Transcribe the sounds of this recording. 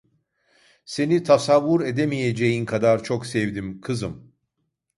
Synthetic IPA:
se̞nit̪ʰasavːuɾed̪emijed͡ʒejinkʰad̪aɾt͡ʃʰoksɛvd̪imkʰɯzɯm

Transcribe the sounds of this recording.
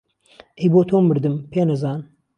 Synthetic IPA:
ʔejboːt̪ʰoːmɨɾd̪ɨmpʰeːnɐzaːn

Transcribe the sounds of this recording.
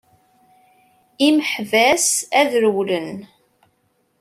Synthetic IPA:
iməħvæsæðɾəwlən

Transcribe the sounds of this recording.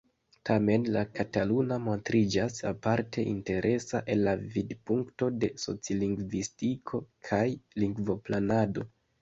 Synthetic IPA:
tʰame̞nlakatalunamo̞ntɾid͡ʒasa̰paɾtʰe̞ʔḭnte̞ɾʔe̞saʔe̞lːavidpuŋkto̞de̞so̞̰t͡sioliŋɡvistikʰo̞kʰajliŋɡvo̞planado̞

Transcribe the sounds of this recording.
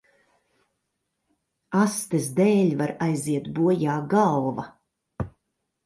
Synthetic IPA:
ast̪esd̪eːlʲvaɾajziɛt̪buɔjaːɡawvɐ

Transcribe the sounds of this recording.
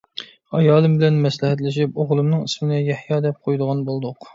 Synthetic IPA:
ɑjɑːlˠɨmbɪlɛnmɛslɪhɛt̪lɪʃipoʁlˠɨmnɨŋismɪnɪjɛhjɑːd̪ɛp̚qʰojd̪ʊʁɑnbolˠd̪ʊq

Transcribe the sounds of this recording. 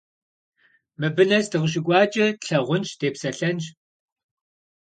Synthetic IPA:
mɨbɨnɐsdɨʁəɕ̬ɪkʷʼɑːt͡ʃʼɐɬɐʁʷʊnʃd̥eːpsɐɬɐnt͡ʃ

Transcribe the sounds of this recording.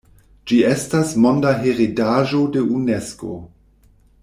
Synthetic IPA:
d͡ʒie̞stasmondaɦeʁidaʒo̞de̞unesko̰

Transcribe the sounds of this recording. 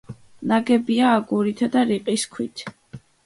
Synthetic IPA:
naɡɛbiaːɡuɾit̪ʰad̪aɾiqʼiskʰwit̪ʰ

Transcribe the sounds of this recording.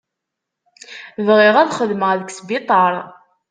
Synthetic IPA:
vʁɪʁæðχəðməʁðəksbɪt̪ˤɑɾˤ

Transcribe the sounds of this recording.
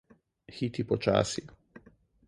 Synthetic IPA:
xiːt̪ipɔt͡ʃa̰ːsi

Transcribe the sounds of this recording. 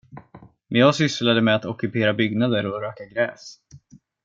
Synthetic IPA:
mɛnjɑːɡsʏslad̪əmɛat̪ɔkɵpeːɾabʏɡnad̪əɾɔɾøːkaɡɾɛːs

